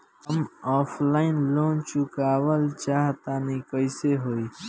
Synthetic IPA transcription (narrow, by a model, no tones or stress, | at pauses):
əmɔːflaːɪnlõːnt͡ʃukaːwəlt͡ʃaːɦt̪aːnikəiseɦoːiː